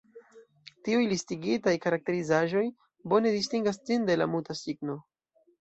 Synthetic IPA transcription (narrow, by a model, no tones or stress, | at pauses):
tiujlistiɡitajkaɾak̚te̞ɾizaʒo̞j | bo̞ne̞distiŋɡast͡sinde̞lamutasiɡno̞